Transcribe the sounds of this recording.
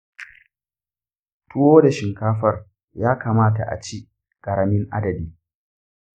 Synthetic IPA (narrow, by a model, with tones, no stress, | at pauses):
tʊ˦woː˦da˨ʃɪ˨ŋkaː˦ɸɐ˦r | jaː˦kaː˨maː˦ta̰˨ʔa̰˨t͡ʃi˦ | kɐ˨ɾɽɐ˨mɪ˦ŋʔa̰˦dɐ˨biː˦